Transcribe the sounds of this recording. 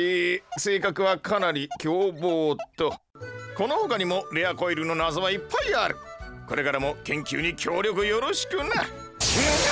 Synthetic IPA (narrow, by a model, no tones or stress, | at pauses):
iːse̞ːkakɯ̟βakanaɾʲikʲo̞ːboːt̪o̞ | ko̞no̞hokaɲ̟imo̞ɾe̞ako̞iɾɯ̟no̞nazoβaipːaiaɾɯ̟̰ko̞ɾe̞kaɾamo̞kẽ̞ŋkʲɨ̰ːɲ̟ikʲʰo̞ːɾʲjo̞k̬ɯ̟jo̞ɾo̞ɕi̥kɯ̟ne